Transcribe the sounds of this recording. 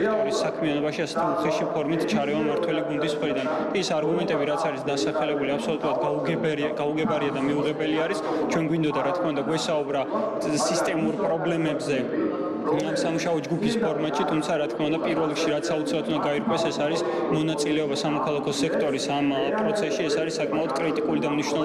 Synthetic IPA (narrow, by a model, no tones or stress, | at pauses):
t̪ʼɔɾisːakʰmianɔbaʃiasɛ̥t̪ʰiuχɛʃipʰɔɾmit̪ʰt͡ʃʰaɾɛvamaɾt̪ʰwɛliɡund̪ismχɾid̪an | kʼiːsaɾɡumɛnt̪ʼɛbiɾat̪sʰaɾisd̪asaχɛlɛbuliapsɔlut̪ʼuɾad̪ɡɛɡauɡɛbaɾiad̪amiuʁɛbɛliaɾis | t͡ʃʰwɛnɡwind̪ɔd̪aɾat̪̚ʰkʰmaund̪aɡwɛsaubɾa | sist̪ʼɛmuɾpʼɾɔblɛmɛbzɛ | amsamuʃaɔd͡ʒɡupʰispʰɔɾmat̪ʃit̪ʰumt̪sʰaɾat̪̚ʰkʰmaund̪apʼiɾvɛlˠikʃiɾat̪sʰaut̪sʰilat̪ʰund̪aɡaiɾkʼwɛsɛsaɾis | mɔnat̪sʼilɛɔbasamɔkʰalˠakʰɔsɛkʰt̪ʼɔɾisampʼɾɔt̪sʰɛsʃiɛsaɾisːakʼmaɔd̪̥kʼɾit̪ʼikʼulid̪amniʃwnɛ